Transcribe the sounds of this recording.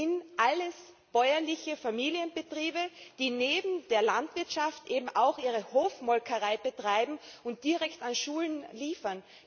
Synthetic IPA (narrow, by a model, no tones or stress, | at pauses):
ɪnʔaləs | b̥ɔʏɐlɪçəfamiːliənbətʁ̥iːbəd̥iːneːbm̩d̥eːɐlantv̥ɪɐtʃaftʔeːbm̩ʔaʊxʔiːʁ̞əhoːfmɔlkʰɐʁaɪbətʁ̥aɪbm̩ʊnt̚d̥iʁɛktanʃuːlənliːfɐn